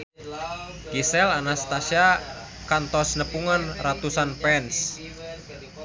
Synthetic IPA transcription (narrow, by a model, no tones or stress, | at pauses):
ɡisɛlanast̪asja | kant̪ɔsnəpuŋanrat̪usanpɛns